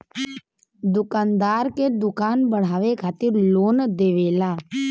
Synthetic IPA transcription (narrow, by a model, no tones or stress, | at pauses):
d̪ʊkaːnd̪aːɾked̪ʊkaːnbəɽ̤aːʋekʰaːt̪ɪɾloːnd̪eːʋeːlaː